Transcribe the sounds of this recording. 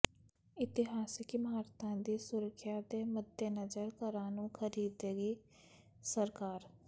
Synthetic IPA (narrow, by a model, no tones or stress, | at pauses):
ɪt̪ɪɦaːsɪkimaːɾt̪ʰãːd̪iːsʊɾəkʰːjad̪eːməd̪ʱjenəzəɾkəɾaːnũkʰəɾiːd̪eːɡiː | səɾkaːɾ